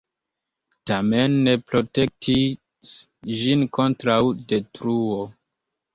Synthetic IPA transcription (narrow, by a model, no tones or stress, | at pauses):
tamenːe̞pɾo̞te̞k̚tʰi | sʒinko̞ntɾawde̞tɾuo